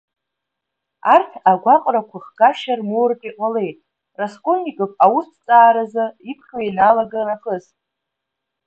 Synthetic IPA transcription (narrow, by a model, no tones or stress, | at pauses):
artʰaɡʷaqʼrakʷʰaχɡaʃarmurɨpʼiqʼale̞jtʼ | raskʼonːikʼɨpʰʼawustʰt͡sʼaːɾazaipʰχʲajnalaɡaraχəztʼ